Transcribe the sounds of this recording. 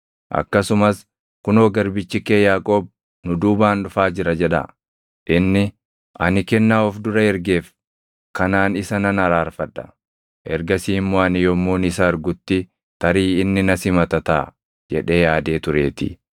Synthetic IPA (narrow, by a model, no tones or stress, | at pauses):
ʔɐ̰kːɐsʊmɐs | kʊnoːɡɐɾbɪt͡ʃːɪkeːjaːkʼo̞ːb̚ | nʊd̪uːbaːnᶑʊfaːd͡ʒɪɾɐd͡ʒɛᶑɐ̰ | ʔɪnːɪ | ʔɐnɪkɛnːaːɔfd̪ʊɾɐɛɾɡe̞ːf | kɐnaːnɪsɐnɐnɐɾaːɾfɐᶑɐ̥ | ʔɛɾɡɐsiːmːoːɐnɪjɔmːoːnɪsɐɐɾɡʊt̪ːɪ | t̪ɐɾiːɪnːɪnɐsɪmɐt̪ɐt̪a̰ː | d͡ʒɛ̰ᶑe̞ːjaːd̪e̞ːt̪ʊɾe̞̰ːt̪ɪ̰